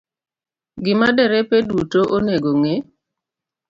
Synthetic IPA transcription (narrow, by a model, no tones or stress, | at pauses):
ɡɪmadɛɾɛpedutoʔoneɡoŋe